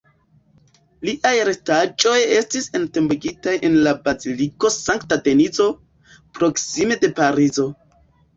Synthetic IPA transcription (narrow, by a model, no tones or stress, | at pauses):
liʔajɾe̞tad͡ʒo̞je̞stise̞nte̞mbeɡitajʔenlabaziliko̞saŋktade̞nizo̞ | pɾo̞ksime̞de̞paɾizo̞